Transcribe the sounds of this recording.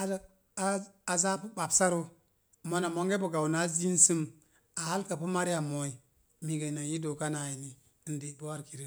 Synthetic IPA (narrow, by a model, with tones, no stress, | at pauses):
a˨ | a˦a˨za˦pu˦ba˨bsa˦ɾo˦ | mo˦na˨mo˦ŋɡe˦bo˨ɡa˨wna˦zi˦nsɨ˦m | a˨ha˦lka˨pu˦ma˦ɾi˦ja˨mo˨i˨ | mi˨ɡe˨na˨ji˦do˨ka˦na˨ji˨ni˨˦ | nde˨bo˦wa˦ɾki˨ɾə˦